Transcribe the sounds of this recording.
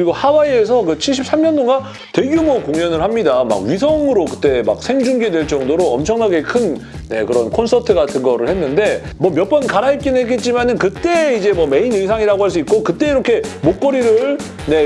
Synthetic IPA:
ɾiɡohawaiesʰʌkɯt͡ɕʰiɭɕ̬͈ʰip̚s͈amɲʌntoŋa | twe̞ɡjumokoŋɲʌnɯɭhamɲidama̰ɡ̚ɥisʰʌŋɯɾokɯt͈e̞ma̰k̚sʰe̞ŋd͡ʑuŋɡedwe̞ɭt͡ɕʌŋdoɾoʌmt͡ɕʰʌŋnaɡe̞kʰɯn | ne̞kɯɾʌnkʰonsʰʌtʰɯɡatʰɯnɡʌɾɯɭhe̞nːɯnde̞ | mʌmjʌp͈ʌnkaɾait̚k͈enɦeɡet̚t͡ɕ͈imanɯnkɯt͈e̞id͡ʑe̞mʌme̞inɯjsʰaŋiɾaɡohaɭs͈uit̚k͈okɯt͈e̞iɾʌkʰe̞mok͈ʌɾiɾɯɭ | ne̞

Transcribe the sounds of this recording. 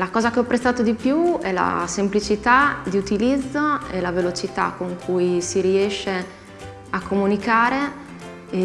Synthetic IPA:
lakɔːzakeɔpːɾest̪aːt̪od̪ipjuɛla̰semplit͡ʃit̪ad̪iut̪ilid̪zːoelavelot͡ʃit̪a̰kːoŋkʰujsiɾiɛʃːe | akʰːomunikaːɾe

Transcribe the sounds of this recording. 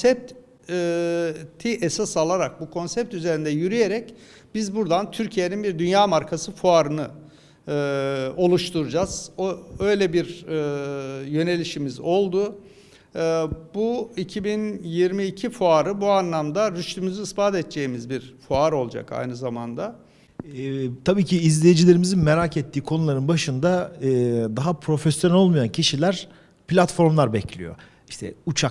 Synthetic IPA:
sɛp̚t̪ː | t̪ʰːiʔesasalˠaɾak̚bukʰo̞nsɛp̚t̪yze̞ɾind̪ɛjyɾyjeɾɛc | bizbuɾd̪ant̪ʰyɾcʰijeninbiɾd̪ynjaːmaɾkʰasɯfuaɾɯnɯ | ɯo̞lˠuʃt̪ʰuɾud͡ʒaz̥oø̞jlʲɛbiɾ | jø̞ne̞lʲiʃimizo̞lˠd̪ʊ | buicʰibinjiɾmiːcʰifuaɾɯbuanlˠamd̪aɾyʃt̪ymyzyispaːt̪ɛt̪t͡ʃeimizbiɾfuaɾo̞lˠd͡ʒa̰ka̰jnɯzamand̪a | t̪ʰabiːcʰiːzlʲejed͡ʒilʲe̞ɾimizinmeɾacɛt̪ʰːiːkʰo̞nulˠaɾɯnbaʃɯnd̪aɯːd̪aɦapʰɾo̞fesjoɛlʲo̞lˠmujancʰiʃilʲæɾ | plʲat̪fo̞ɾmlˠaɾbɛcʰlʲḭjo̞̰ | iʃt̪ʰɛ̰ut͡ʃʰa

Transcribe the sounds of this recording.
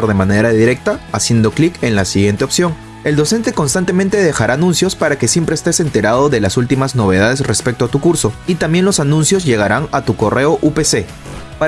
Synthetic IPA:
ɾðemane̞ɾaðiɾe̞k̚t̪aːsje̞nd̪o̞klike̞nlasiɣje̞nt̪eopsjo̞ŋ | e̞ld̪o̞se̞nt̪e̞ko̞nst̪ant̪e̞ment̪e̞ð̞e̞xaɾaːnũnsjo̞spaɾake̞sje̞mpɾeːst̪e̞se̞nt̪e̞ɾaðo̞ðe̞lasult̪imazno̞β̞e̞ð̞að̞e̞sre̞spe̞k̚t̪o̞at̪ukuɾso̞it̪ambje̞nlo̞sanũnsjo̞zʝe̞ɣaɾaŋat̪uko̞re̞o̞ʔupese̞ | pa

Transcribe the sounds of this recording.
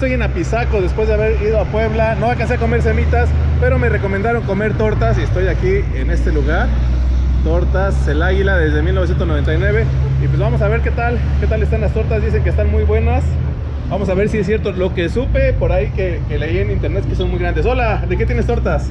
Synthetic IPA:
est̪oje̞napisako̞ðe̞spwe̞zðeaβe̞ɾið̞o̞apwe̞βlano̞βakanseko̞me̞ɾs̬e̞mit̪as | pe̞ɾo̞me̞re̞ko̞mẽnd̪aɾo̞ŋko̞me̞ɾt̪o̞ɾt̪asiest̪o̞jaki | ene̞st̪e̞luɣaɾ | t̪oɾt̪aselaɣilaðe̞zðe̞milnosjent̪oznoe̞nt̪ajnwe̞β̞e̞ipwe̞zβamo̞saβe̞ɾke̞t̪al | ke̞t̪alest̪anlast̪o̞ɾt̪azðise̞ŋkest̪anmujβwe̞nas | bamo̞s̬aβe̞ɾsiesːje̞ɾt̪o̞lo̞ke̞supe̞po̞ɾaike | kele̞ienint̪e̞ɾne̞t̪keso̞nmujɣɾand̪eso̞lad̪eke̞t̪jenest̪o̞ɾt̪as

